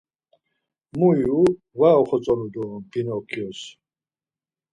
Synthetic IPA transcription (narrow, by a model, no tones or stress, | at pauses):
muju | vaɔχɔt͡sʼɔnud̪ɔb̥inɔkʰiɔs